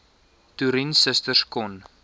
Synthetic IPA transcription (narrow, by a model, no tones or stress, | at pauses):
tuɾinsəstərskɔn